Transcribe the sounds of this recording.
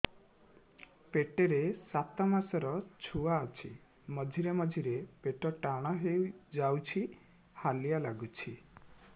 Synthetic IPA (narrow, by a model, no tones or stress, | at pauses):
peʈeɾesat̪ɔmasɔɾɔt͡ʃʰuaːt͡ʃʰi | mɔd͡ʒʱiɾemɔd͡ʒʱiɾepeʈɔʈaɽ̃ɔɦewd͡ʒawt͡ʃʰi | halijalaɡut͡ʃʰi